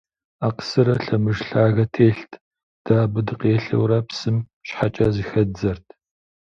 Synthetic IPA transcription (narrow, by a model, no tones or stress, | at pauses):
aːqə̥sɨɾɐɬɐmɨʒɬaːɣɐtʰeːɬtʰ | d̥aːbɨdɨqeːɬɐ̰wɾɐpsɨm | ɕħat͡ʃʼɐzixɐd͡zɐrtʰ